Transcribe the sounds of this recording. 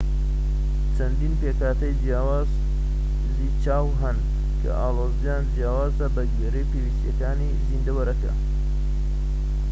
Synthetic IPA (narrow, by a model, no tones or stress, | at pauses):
t͡ʃʰɐnd̪iːnpeːkaːt̪ɐjd͡ʒjaːwaːz̥ | zit͡ʃaːwɦɐn | kʰɐ̰ʔaːloːzijand͡ʒijaːwaːzɐbɐɡeɾɐjpewist̪jɐ̰kaːnizind̪ɐwɐɾɐkɐ̰